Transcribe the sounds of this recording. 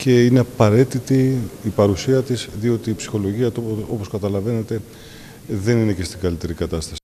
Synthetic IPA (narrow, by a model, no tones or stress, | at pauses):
ce̞ineɐpɐɾe̞t̪it̪iipɐɾusiɐt̪isðio̞t̪iːpsi̥xo̞lo̞ʝiɐt̪o̞po̞skɐt̪ɐlɐve̞ne̞t̪e̞ | ðe̞nine̞ce̞st̪iɡɐlit̪e̞ɾikɐt̪ɐst̪ɐsi